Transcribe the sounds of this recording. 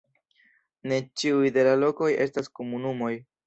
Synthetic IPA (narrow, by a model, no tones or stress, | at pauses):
ne̞t͡ʃiujde̞lalo̞ko̞je̞̰staskomunumo̞j